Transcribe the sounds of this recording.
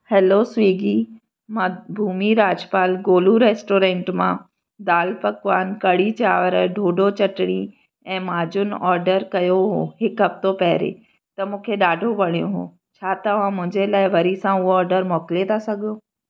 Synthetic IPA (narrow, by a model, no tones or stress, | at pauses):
hɛːlosʋiːɡi | mabʱuːmiɾaːd͡ʑpaːlɡoːluɾeːsʈoːɾẽːɳʈmã | d̪aːlpɐkʋaːnkɐɽit͡ɕaːʋəɾɖʱoːɖʱot͡ɕɐʈɽ̃i | ɛ̃ːmaːd͡ʑʊnɔːɾɖəɾkɐjoɦo̰ːɦɪkɦɐft̪opɐɦɪɾḛ | t̪ɐmũːkʰeɗaːɖʱoʋɐɽ̤̃ijõ̰ɦo̰ː | t͡ɕʰaːt̪ɐʋ̤ãmʊ̃ɦɪ̃ɲd͡ʑelaːɪʋɐɾisãʊɦoɔːɾɖəɾmɔːkɪlet̪ʰasɐɡʱjoː